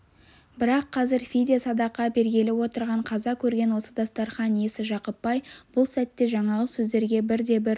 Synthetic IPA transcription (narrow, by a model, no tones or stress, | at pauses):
bɪɾɑqʰːɑzɪɾfʲid̪esɑd̪ɑqːɑbe̞ɾɡʲe̞lɪwo̞t̪əɾʁɑɴqʰɑzɑkʲʰɵɾɡʲe̞nwo̞səd̪ɑst̪ɑɾχɑnjesɪʒɑqəpːɑjb̥ʊlˠsæt̪ːe̞ʒɑɴɑʁəsɵzd̪e̞ɾɡʲe̞bɪɾd̪e̞bɪɾ